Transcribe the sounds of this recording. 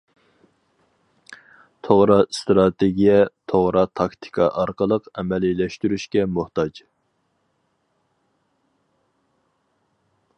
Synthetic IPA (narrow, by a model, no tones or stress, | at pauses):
t̪ʰoʁɾɑst̪ɾɑt̪ʰeɡʲijɛt̪ʰoʁɾɑt̪ʰɑkt̪ʰɪ̥kʰɑ̰ʔɑɾqəlˠəqɛmɛlilɛʃt̪yɾyʃkʲɛmuht̪ɑd͡ʒ